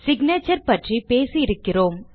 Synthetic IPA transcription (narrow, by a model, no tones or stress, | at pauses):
sɪɡneːt͡ʃɐɾpɐʈripeːsijɪɾɯkːɪroːm